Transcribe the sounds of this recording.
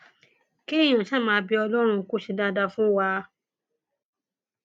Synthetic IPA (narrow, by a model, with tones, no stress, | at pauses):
ke˦˨j̃ã˨ʃa˦˨mãː˧˦bi˧ɔ˧lɔ˦ɾ̃ũ˧ku˦ʃi˧da˧da˧fũ˦wa˧